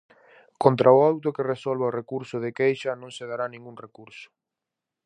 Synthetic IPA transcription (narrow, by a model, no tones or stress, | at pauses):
kont̪ɾʔaoawt̪okeresɔlβaorekuɾsʊðekejʃɐnõŋseð̞aɾanĩŋɡuŋrekuɾsʊ̥